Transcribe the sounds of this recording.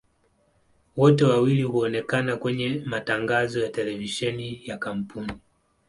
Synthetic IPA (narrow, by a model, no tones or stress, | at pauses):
wɔtɛwawilihuɔnɛkanakwɛɲɛmataŋɡazɔjatɛlɛviʃɛnijakam̩pʰuni